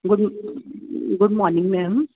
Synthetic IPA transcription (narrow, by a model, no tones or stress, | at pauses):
ɡʊɖ | ɡʊɖ̚mɔːnɪ̃ŋmɛm